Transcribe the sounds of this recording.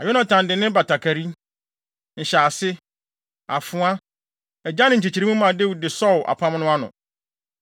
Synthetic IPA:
a˨jɔ˦nã˨tʰã˨ndɪ˨nɪ̃˦ba˨tʰa˨kʰa˨ɾi˦ | n̩˨ɕaː˨sɪ˦ | a˨fʊ̃˨˦a˦ | ɛ˨d͡ʑa˦nɪ̃˨ɲ̩˨t͡ɕʰi˨t͡ɕʰi˨ɾi˦ũ˦mã˨de˦wu˨dɪ˨sɔ˦˨ʊ˨ʔa̰˨pʰa˦m˦nʊ̃˦a˦nʊ̰̃˨

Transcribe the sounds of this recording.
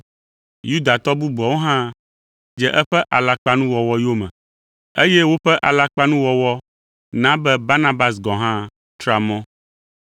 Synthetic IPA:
ju˦d̪a˨t̪ɔ˦bu˦bɔ˨wo˦ɦã˦ | d͡ʒɛ˦ʔɛ˦ɸɛ˦ʔa˨la˦k͡pa˦nũ˦wɔ˨wɔ˦jo˦mɛ̰̃˨ | e˦jɛ˦wo˦ɸɛ˦ʔa˨la˦k͡pa˦nũ˦wɔ˨wɔ˦ | nã˦bɛ˦ba˦nã˦ba˦sɡɔ̃˨ɦã˦ | t̪ɾa˨mɔ̃˦

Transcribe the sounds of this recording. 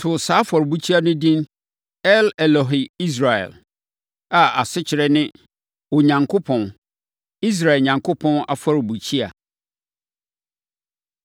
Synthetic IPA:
tʰʊ˨saː˨˦fɔ˨ɾbu˦t͡ɕʰi˦a˨nʊ̃˦dĩ˦n | ɛ˦lɛ˨lɔ˨ɦɪ˨i˦s̬ɾa˨ɛ̰˨l | a˨a˨sɪ˦t͡ɕʰɪ˨ɾɛ˦nɪ̃˦ | o˨ɲã˨ŋkʰo˦pʰɔ̃˨n | i˦s̬ɾa˨ɛ˨lɲã˨ŋkʰʊ˦pʰɔ̃˦na̰˨fa˦ɾbu˨t͡ɕʰi˦a̰˨

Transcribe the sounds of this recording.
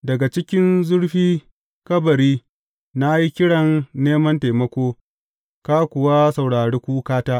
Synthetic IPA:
dɐ˨ɡa˨t͡ʃɪ˦kʲɪ˦nzʊ˦ɽɸiː˦ | kɐ˦bɐ˨ɾiː˦ | na˦ji˦kʲɪ˦ɽɐ˨nːeː˦mɐ˦nta˨mɐ˦kʷoː˦ | ka˦kʷʊ˨wa˦sɐ˨wɽaː˨ɽeː˦kʷuː˦kaː˦taː˦ʔ

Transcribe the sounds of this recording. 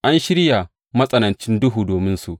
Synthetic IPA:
ʔa˦nʃɪ˦ɾja˨ | mɐ˦sʼɐ˦nɐ˨nt͡ʃɪ˦ndʊ˦ɦuː˨doː˨mɪ˦nsu˨ʔ

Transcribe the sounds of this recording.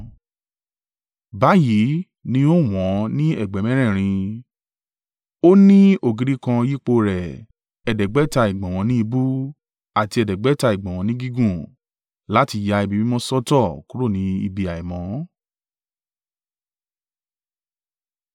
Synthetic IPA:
ba˨˦ji˨˦ | nĩ˧˦o˦˨w̃ɔ̃˨˦nĩ˦ɛ̰˦˨ɡ͡bɛ˨mɛ̃˦ɾ̃ɛ̃˦˨ɾ̃ĩ˧ | o˦nĩ˦o˦˨ɡi˨˧ɾi˨˦kã˧ji˦k͡po˧ɾɛ˨ | ɛ˨dɛ˨ɡ͡bɛ˨˦ta˧i˨ɡ͡bɔ̃˨w̃ɔ̃˨˦nĩ˦i˧bu˦ | a˨ti˧ɛ˨dɛ˨ɡ͡bɛ˨˦ta˧i˨ɡ͡bɔ̃˨w̃ɔ̃˨˦nĩ˦ɡi˦ɡũ˦˨ | la˦ti˧ja˧i˧bi˨˧bĩ˦mɔ̃˦sɔ˦tɔ˦˨ku˨˦ɾo˦˨nĩ˧˦ḭ˧bi˧a˨i˨mɔ̃˨˦

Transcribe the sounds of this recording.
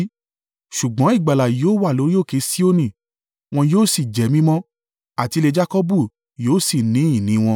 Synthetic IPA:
ʃu˨ɡ͡bɔ̃˨˦i˦˨ɡ͡ba˨la˨joː˦wa˦˨lo˨˦ɾi˦o˦˨ke˧˦si˦o˦nĩ˦˨ | w̃ɔ̃˧joː˦˨si˨d͡ʒɛ˨˦mĩ˦mɔ̃˦ | a˨ti˧le˧d͡ʒa˦kɔ˦bu˦˨ | joː˦˨si˦˨nĩ˨˦ĩ˦˨nĩ˨˦w̃ɔ̃˧

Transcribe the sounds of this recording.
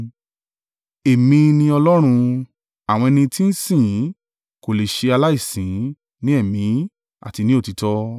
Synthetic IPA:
e˨mĩ˧nĩ˧ɔ˧lɔ˦ɾ̃ũ˧ | a˨w̃ɔ̃˧ɛ˧nĩ˧ti˦n̩˦sĩ˦˨˦ | ko˨le˨ʃe˧a˧la˦i˦˨sĩ˨˦˨ | nĩ˦ɛ˦˨mĩ˨˦ | a̰˦˨ti˧nĩ˦o˦˨ti˨˧tɔ˧

